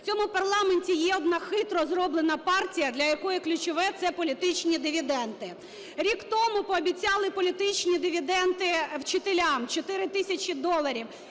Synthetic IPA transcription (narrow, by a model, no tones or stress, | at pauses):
t͡sʲɔmʊpɐrlˠɑmenʲtʲijɛɔd̪nɑxɪt̪ɾɔzrɔblˠenɐpɑrtʲijɐd̪lʲɐjɐkɔjɛklʲʊt͡ʃɔʋɛt̪sɛpɔlʲit̪ɪt͡ʃnʲid̪ɪʋʲid̪ɛnt̪ɪ | ɾʲikt̪ɔmʊpɔːbʲit͡sʲɑlˠɪpɔlʲit̪ɪt͡ʃʲnʲid̪ɪʋʲid̪ɛnt̪ɪwt͡ʃɪt̪elʲamt͡ʃɔt̪ɪɾɪt̪ɪsʲɐt͡ʃʲid̪ɔlˠɐɾʲiw